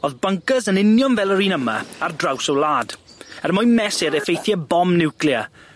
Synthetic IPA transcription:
oːðbəŋkəzənɪnjɔnvɛlˠəɾiːnəma̰ardrawsɔwlˠaːd̥ɛrmɔjmɛsɪɾɛfejθjɛbɔmnɪwkliə

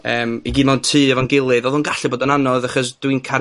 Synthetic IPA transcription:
əːmiɡiːdmantʰɨːɛvaŋɡɪlˠɨðoːðunɡaɬɨboːdɔnanɔðaχɔsd̥wiɨnkʰa

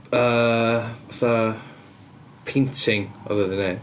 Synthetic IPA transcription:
əːvaθa | pʰentʰɪŋɔ̰ðɛðɪnej

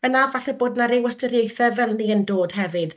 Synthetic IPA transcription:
ənavaɬɛboːdnaɾewəstəɾjejθɛvɛlˠniəndoːd̥ɦɛvɨd̥

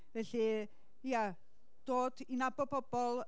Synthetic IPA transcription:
vɛɬi | ia | d̥oːdinabɔpʰɔb̥ɔlˠ

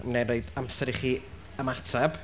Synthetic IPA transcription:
mneɾoɨdamsɛɾiχiː | əmatʰɛb̥

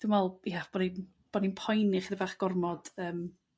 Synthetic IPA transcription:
d̥umvɛlˠjab̥ɔnin | b̥ɔninpʰɔjnɪχiðəvaχɡ̥ɔrmɔd̥əːm

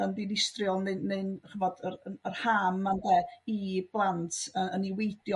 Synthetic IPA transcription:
əndinɪstrjɔlˠnenːeɨnχəvɔdərərhaːmːandɛib̥lˠantʰəəniwejd̥jɔ

